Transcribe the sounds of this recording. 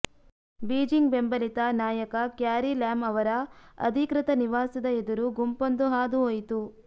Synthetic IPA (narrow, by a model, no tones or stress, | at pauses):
biːd͡ʒiŋɡbe̞mbɐlit̪ɐnaːjɐkɐkjaːɾilaːmɐʋɐɾɐɐ̰d̪ʱikɾit̪ɐniʋaːsɐd̪ɐed̪uɾuɡumpond̪uɦaːd̪uɦojt̪u